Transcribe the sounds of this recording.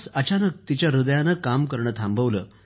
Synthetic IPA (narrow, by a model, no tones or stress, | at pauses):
sət͡ɕanək̚t̪it͡ɕjaɾud̪əjanəkamkəɾɳəːt̪ʰãmbəʋləː